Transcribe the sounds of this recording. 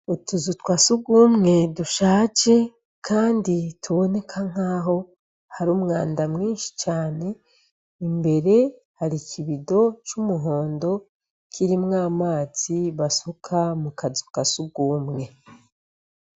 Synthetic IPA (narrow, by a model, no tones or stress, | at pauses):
utuzutwasuɡuːmŋe̞duʃaːt͡ʃe̞ | kʰaːnditʰuβo̞ne̞kʰaŋ̥aːɦo̞ | haɾuːmŋaːndamŋiːnʃi̥t͡ʃaːne̞ | imbe̞ɾe̞ | haɾicʰiβido̞t͡ʃumuɦo̞ːndo̞ | kʰiɾimŋaːmaːz̥iβasukʰamukazu̥kasuɡuːmŋe̞